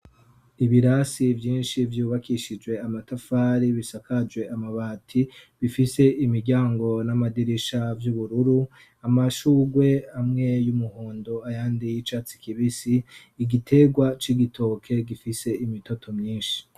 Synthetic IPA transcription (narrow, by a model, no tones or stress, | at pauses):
iβiɾasivjiːnʃivjuːβakiʃid͡ʒwe̞amatafaːɾiβisakʰad͡ʒwe̞ʔamaβaːtʰiβifise̞ʔimiɾɟaːŋɡo̞namadiɾiʃavjuβuɾuɾu | amaʃuːɡwe̞amŋe̞jumuhoːndoajaːndijit͡ʃat͡si̥kiβisiː | ɡitʰe̞ɡwat͡ʃiɡitʰo̞ːkʰe̞ɡifise̞imito̞tʰo̞mɲiːnʃi̥